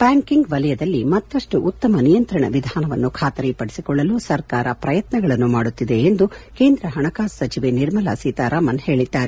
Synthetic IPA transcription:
pjaːŋkiŋɡʋɐlɐjɐd̪ɐlːimɐt̪ːɐʂʈuʔut̪ːɐmɐnijɐnt̪ɾɐɳɐ̰ʋid̪ʱaːnɐʋɐ̰nːukʰaːt̪ɐɾipɐɽisikɔɭːɐlusɐɾkaːɾɐpɾɐjɐt̪nɐɡɐɭɐnːumaːɽut̪ːid̪e̞ːnd̪uke̞ːnd̪ɾɐɦɐɳɐkaːssɐt͡ʃiʋe̞niɾmɐlɐsiːt̪aɾaːmɐnhe̞ːɭid̪ːaːɾe

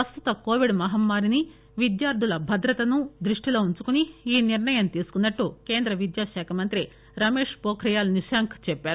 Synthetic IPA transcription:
ɐst̪ut̪ɐkoːʋiɖmɐɦɐmːaːɾini | ʋid̪jaːɾd̪ʱulɐbʱɐd̪ɾɐt̪ɐnud̪ɾiʂʈilo̞ːuɲt͡ʃukuniːniɾɳɐjɐnt̪iːsu̥kunːɐʈːuke̞ːnd̪ɾɐʋid̪jaːʃɛːkʰɐmɐnt̪ɾi | ɾɐme̞ːʂpoːkʰɾijaːlniʃaːŋkʰt͡ʃɛpːaːɾu

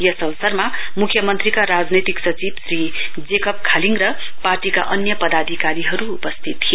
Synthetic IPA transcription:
jʌsʌwsʌrmamukʰːjʌmʌnt̪ɾikaɾad͡znet̪iksʌt͡sibsrid͡zekʌp̚kʰaliŋɡɾʌparʈika̰ʔʌnjʌpʌd̪ad̪ʱikaɾiɦʌɾuupʌst̪ʰit̪kʰi

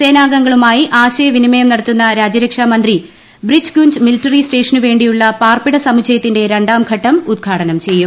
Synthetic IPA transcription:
se̞ːnaːɡɐŋɡɐɭumaːjiʔaːɕɐjɐʋinimɐjɐmnɐɽɐt̪ːunːɐɾaːd͡ʑɐɾɐkʂaːmɐnd̪ri | brid͡ʑɡuɲd͡ʑmiliʈːɐrisʈe̞ːʂɐnuʋe̞ːɳɖijuɭːɐpaːrpiɽɐsɐmut͡ɕʰɐjɐt̪ːinde̞ɾeɳɖaːmɡʰʱɐʈːɐmud̪̚ɡʰʱaːɽɐnɐmt͡ɕe̞jːum

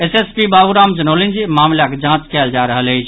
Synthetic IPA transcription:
esespibaːʋuɾaːmd͡ʒənolind͡ʒimaːmlaked͡ʒãt͡ʃkɛːld͡ʒaɾəɦələɦɪt͡ʃʰ

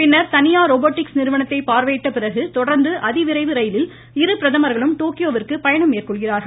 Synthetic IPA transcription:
pɪnːɐɾt̪ɐnɪjaːɾoːboːʈːɪksnɪɾɯʋɐɳɐt̪ːɐɪpaːɾʋeːʈːɐpɪrɐɣɯt̪ɔɽɐɾnd̪ɯʔɐðɪʋɪɾɐɪʋɯɾɐjɪlɪl | ɪɾɯpɪɾɐðɐmɐɾɣɐɭɯmʈoːkɪjoːʋɪrkɯpɐjɐɳɐmeːrkɔɭɣɪraːɾɣɐɭ

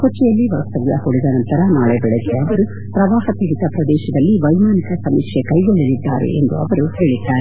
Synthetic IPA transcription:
kot͡ʃːɛjɐlːiʋɐʋst̪ɐʋjɐhoɽid̪ɐnɐnt̪ɐɾɐnaːɭebɛɭeɡeɐʋɐɾu | pɾɐʋaːɦɐp̪iɡit̪ɐpɾɐd̪ɛːʃɐd̪ɐlːiʋɐjmaːnikɐsɐmikʂekɐjɡoɭːɐlid̪ːa̰ːɾḛʔḛnd̪uɐ̰ʋɐɾuheːɭid̪ːaːɾe

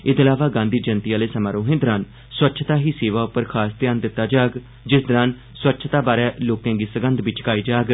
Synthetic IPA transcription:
ɪd̪əlaːʋaːɡãːnd̪iːd͡ʒənt̪iaːleːsəmaːɾoːɦẽːd̪əɾãn | swətːʃʰt̪aːɦiːseːʋaːʊpːəɾkʰaːst̪jaːnd̪ɪt̪ːaːd͡ʒaːɡ | d͡ʒɪsd̪əɾãn | swətːʃʰt̪aːbaːɾɛːloːkãːɡiːsəɡənd̪ʋɪt͡ʃkaːiːd͡ʒaːɡ

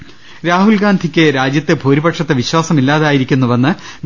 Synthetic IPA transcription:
ɾaːɦulɡaːnd̪ʱikʲːɨɾaːd͡ʑjɐt̪ːɨbʱoːɾibɐʈʂɐt̪ːeʋiɕwaːsɐmilːaːðaːjiɾikʲːunːuʋɐnːɨ

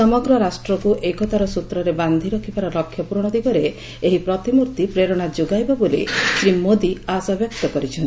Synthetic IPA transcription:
sɔmɔɡɾɔɾasʈɾɔkuʔekɔt̪aɾɔsut̪ɾɔɾeband̪ʱiɾɔkʰibaɾɔlɔkʰːjɔpuɾɔɽ̃ɔd̪iɡɔɾe | eɦipɾɔt̪imuɾt̪ipɾeɾɔɽ̃ad͡ʒoɡajbɔbolḭsɾimod̪iasɔbjɔkt̪ɔkɔɾit͡ʃʰɔnt̪i

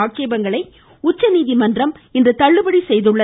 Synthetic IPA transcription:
aːʈ̚t͡ʃeːbɐŋɡɐɭɐɪ | ʊt͡ʃːɐniːðimɐndrɐm | ɪnd̪ɐt̪ɐɭːɯbɐɽisɛjðɯɭːɐ

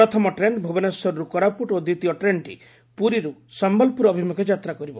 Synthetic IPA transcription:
ɔt̪ʰɔmɔʈɾenbʱubɔnɔsɔɾɔɾukɔɾapuʈod̪it̪iɔʈɾeɳʈḭ | puɾiɾusɔmbɔlpuɾɔbʱimuked͡ʒat̪ɾakɔɾibɔ

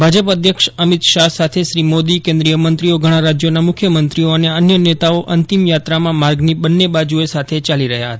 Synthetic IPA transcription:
bʱad͡ʒəpəd̪ʱjəkʃəmit̪ʃasat̪ʰeʃɾimod̪ikẽnd̪ɾijəmənt̪ɾioɡʱəɽ̃ãɾad͡ʒjonamʊkʰjəmənt̪ɾioəneənjənet̪aoʔənt̪imjat̪ɾamãmaɾɡnibənːebad͡ʒuesat̪ʰet͡ʃaliɾəɦja̰ɦət̪a

